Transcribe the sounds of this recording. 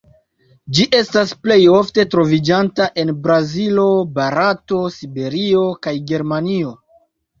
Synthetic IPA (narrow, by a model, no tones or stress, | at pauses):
d͡ʒiʔe̞stasple̞jo̞fte̞tɾo̞vid͡ʒantaʔe̞nbɾazilo̞baɾato̞sibe̞ɾio̞kajɡe̞ɾmanio̞